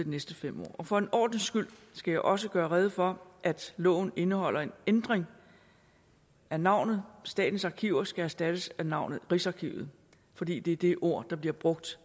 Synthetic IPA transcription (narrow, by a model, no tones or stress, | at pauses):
ed̥inesd̥əfem̰ɒ̰ːɒ̽fɒ̽e̝nɒ̰ːd̥n̩sɡ̥yl̰sɡ̥æjɑ̈ɪʔɒ̽s̬əɡ̥ɶːɐʁɛð̞ˠəfɒ̽ʔæd̥lɔ̰̽ːʊn̩e̝nəhɒ̽l̰ɐe̝nend̥ʁeŋ | ʔænɑ̈ʊ̰nð̩ˠsd̥ɛ̰ːd̥n̩sɑ̈kʰiʊɐsɡ̥ææɐsd̥æd̥əsænɑ̈ʊ̰nð̩ˠʁiːsɑ̈kʰiʊð̞̩ˠ | fɒ̽dḭːd̥e̝æɐd̥e̝ʔo̝ɐ̰d̥ɑ̈b̥liɐb̥ʁɔ̽ɡ̥̚d̥